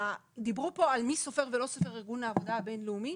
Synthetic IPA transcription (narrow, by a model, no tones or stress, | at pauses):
d̪ibɾupːoalmisofɛɾvelosofereɡunaːvod̪abɛnluːmi